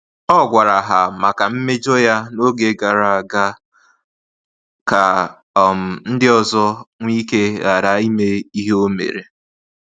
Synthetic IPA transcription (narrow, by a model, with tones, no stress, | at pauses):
ɔ˦ɡʷa˨ɾa˨ɦa˨ma˨ka˨m̩˦me˦d͡ʒo˦ja˦no˦ɡe˨ɡa˨ɾa˨a˨ɡa˦ | ka˨ | m̩˨n̩˦dɪ˦ɔ˨zɔ˦ŋʷi˦ke˦ɣa˨ɾa˦i˦me˦i˦ɦe˦o˦mḛ˨ɾe˨